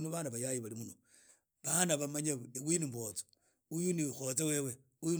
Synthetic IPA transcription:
nuβanaβajajiβalimuɲo | βanaβamaɲawinimbot͡so̥ | ujunixot͡sewewe | uju

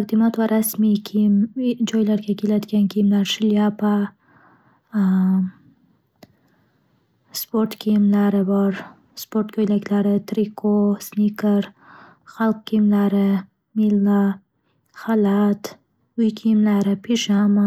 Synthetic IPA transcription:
t̪aqd̪imat̪waɾʔasmikʰimd͡ʒojlaɾkakilat̪kamkimlaɾʃɪljapa | spoɾʈkimlaɾəwaɾ | spoɾʈkojlakʲlaɾət̪ɾikosnikaɾ | xalkkimlaɾə | mila | xalat̪ | ujkʰimlaɾəpiʃama

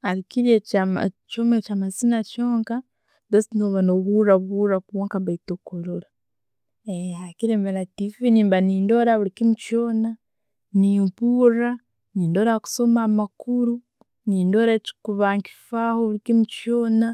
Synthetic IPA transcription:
alikiɾjet͡ʃomet͡ʃamazinat͡ʃo̞ːŋka | dosinoβanoβuraβurakuβoːŋkaβaitokoloɾa | eɦakiɾeːmeɾatifiniːmbaniːndo̞ɾaβuɾikimut͡ʃona | niːmpura | niːndo̞ːɾaku̥so̞maːmakuɾu | niːndoɾaci̥kuβaːŋki̥fahoβuɾikimut͡ʃoːna

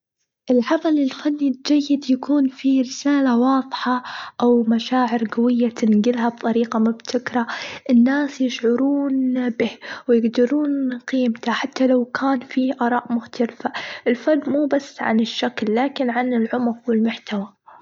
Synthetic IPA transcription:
ʔɪlʕɑmalɪlfanːd͡ʒajːɪd̪jakʰuːnfiɾɪsaːlawɑːðˤħɑʔawmaʃaːʕɪɾɡawɪjːat̪ʰɪnɡɪlɦab̚t̪ˤɑɾiːqamʊbt̪ʰɪkɾˤaʔɪnːaːsjɪʃʕʊɾuːnbɪhwɪjɪɡd̪ɑɾuːnqiːmt̪aħat̪ːalawkʰaːnfiːʔɑɾˤɑːʔmʊxt̪alfaʔɪlfanːmuːbasːʕa̰nɪʃːaklːaːkɪnʕanɪlʕʊmqwɪlmʊħt̪awa

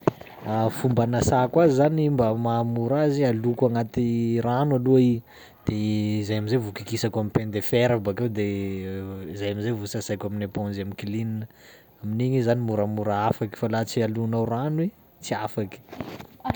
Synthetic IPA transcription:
afumbanasakwaizanimbəmamuɾazialukaŋat̪iranaluai | d̪̥eizajamizavukikisakamipend̪efeɾabakewd̪e | izajamizajvusasajkʲaminepɔ̃nzamikilininə | aminiɲizanimuɾamuɾaafaki̥falat͡sialunawranwe | t͡siafaki̥

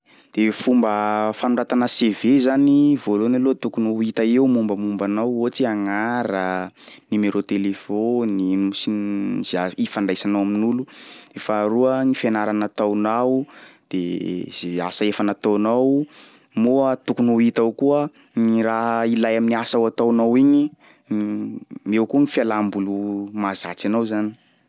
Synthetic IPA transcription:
d̪̥efumbəfanuɳɖ͡ʐat̪anəsevezanivolonalot̪ukunuit̪aewmumbəmumbanawot͡siaŋaɾənimeɾot̪elefonisizaifaɳɖ͡ʐajsanawaminuludefaɾuəŋifenaɾanat̪awnawd̪̥ḛz̥easaefanat̪onaw | mot̪ukunawit̪awkuə | ɲiɾaɦilajaminiasawat̪awnawiɲi | mewkuŋifjalambulumazat͡sanawzani̥

